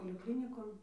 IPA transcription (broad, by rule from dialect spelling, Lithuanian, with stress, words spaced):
poːlʲɪˈklʲɪnʲɪkoːn